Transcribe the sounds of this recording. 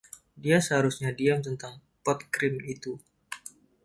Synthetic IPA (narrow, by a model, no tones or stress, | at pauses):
diasəɦaɾusɲadiamt̪ənt̪aŋ | pɔt̪̚kɾɪmit̪u